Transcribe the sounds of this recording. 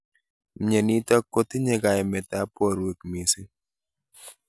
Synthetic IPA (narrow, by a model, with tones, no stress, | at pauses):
mɲe˨ni˦ta˦kːo˦t̪i˦ɲe˦ɡa˨ɛ˨mɛ˨ta˨˦pɔ˨ɾwe˨kmi˨si˦